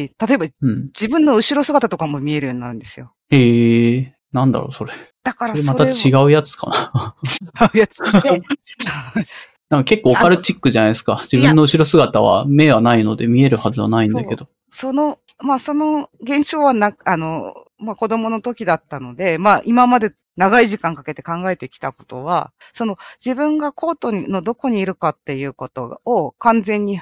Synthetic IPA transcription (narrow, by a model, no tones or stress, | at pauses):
t̪at̪o̞e̞baɯ̟̃ɴd͡ʑibɯ̟̃nːo̞ɯ̟ɕiɾo̞sɨɡat̪at̪o̞kamo̞mʲie̞ɾɯ̟jo̞ːɲ̟inaɾɯ̟̃nd̪e̞sɨjo̞ | eː | nãnd̪a̰ɾo̞̰so̞ɾed̪̥akaɾasmat̪at͡ɕiɡaɯ̟jat͡sɨ̥ka̰nat͡ɕi̥ɡaɯ̟jat͡sɨ̥ | a | nãŋkake̞kːoːkaɾɯ̟t͡ɕikːɯ̟ʑanaisɨ̥kad͡ʑibɯ̟̃nːoɯ̟ɕiɾo̞sɨɡat̪aβ̞a̰me̞ːβanaino̞d̪e̞mʲie̞ɾɯ̟hazɨβa̰naĩnd̪akke̞d̪o̞ | so̞no̞ | maːso̞no̞ɡẽ̞ɰ̃ɕo̞ːβanaano̞ | mako̞d̪o̞mo̞no̞t̪o̞kʲid̪at̪ːano̞d̪e̞maːʔimamad̪e̞ | naɡaiʑikãŋkake̞t̪e̞kãŋɡae̞t̪e̞kʲi̥t̪ako̞̥t̪o̞βa̰ | so̞no̞d͡ʑibɯ̟̃ŋɡako̞ːt̪o̞ɲino̞d̪o̞ko̞ɲ̟iːɾɯ̟kat̪ːe̞jɯ̟ːko̞t̪o̞okãnd͡zẽ̞ɲ̟ːi